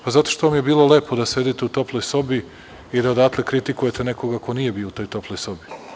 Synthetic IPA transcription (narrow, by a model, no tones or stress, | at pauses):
pazat̪o̞ʃt̪oʋamjebiːlˠo̞le̞ːpʰo̞d̪ased̪it̪eut̪oplˠo̞jso̞bi | id̪aod̪at̪lekɾit̪ikuje̞t̪eneko̞ɡako̞niːje̞biout̪o̞ːjt̪o̞plˠojso̞bi